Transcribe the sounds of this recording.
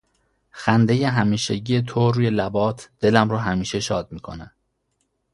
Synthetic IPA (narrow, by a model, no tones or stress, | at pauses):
xænd̪e̞je̞ɦæmiːʃeɟiːje̞t̪ʰoɾuːje̞læbɒːt̪ʰd̪̥e̞læmɾɒːɦæmiːʃe̞ʃɒːd̪̚miːkʰo̰næ